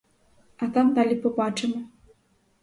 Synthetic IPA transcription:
ɐt̪amd̪alʲipɔbat͡ʂɨmɨ

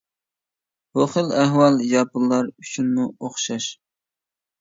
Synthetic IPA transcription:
hoχəlæhwɑlˠjɑpɨlˠːɑɾyt͡ʃʰynmuoχʃɑʃ

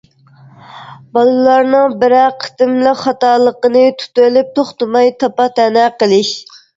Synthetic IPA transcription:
bɑlˠɨlˠɑɾnɨŋbɪɾæqʰːə̥t̪ɪmlɨχɑt̪ɑːlˠəqənɨt̪ʰu̥t̪ølyp̚t̪ʰoχt̪ɨmɑjt̪ʰɑpɑt̪ʰɛnɛqəlˠɪʃ

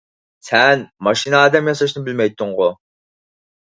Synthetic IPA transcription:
sɛnmɑʃinɑɑːd̪ɛmjɑsɑʃnɨbɪlmɛjt̪ʰːʊŋʁʊ

